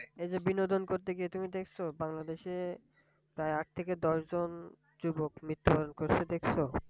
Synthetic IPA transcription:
ed͡ʑebinod̪ʱonkoɾt̪eɡiet̪umid̪ekʰt͡ɕʰobaŋlad̪eʃe | pɾaeaʈ̚t̪ʰeked̪ɔʃd͡ʑon | d͡ʑubokmɾit̪ːobaɾonkoɾt͡ɕʰed̪ekʰt͡ɕʰo

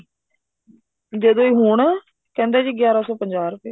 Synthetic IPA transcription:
d͡ʒeːd̪õːiːɦuːɳː | kɛ̃ːnd̪ɛːd͡ʒiːɡjaːɾaːsɔːpəɲd͡ʒaːɾpeː

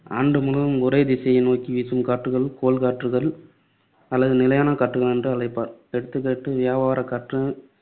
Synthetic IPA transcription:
aːɳɖɯmʊlɯʋɯmʊɾɐɪd̪ɪsɐjɐnoːkːiʋisɯmkaːʈrɯɣɐɭkoːlkaːʈrɯɣɐɭ | ɐlːɐðɯnɪlɐjaːnɐkaʈːɯɣɐɭɛndrɯɐlɐɪpːaːɾɛɽɯt̪ːɯkːeːʈːɯʋɪjaːʋaːɾɐkɐʈrɐ

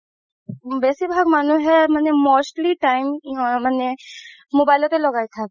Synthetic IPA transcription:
bɛːsebʱaːɡmaːnũɦɛmənːemoːsʈliʈaːɪmɦãmənːe | moːbaːɪlõt̪eloɡaːek̪ʰa

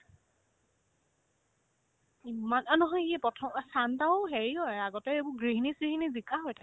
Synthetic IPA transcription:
imananɔɦɔjiɛpɔtʰɔmasantaʊɦeɹiɦɔjaɡɔtɛebʊɡɹiɦinisɡiɦinizikaɦɔjtʰa

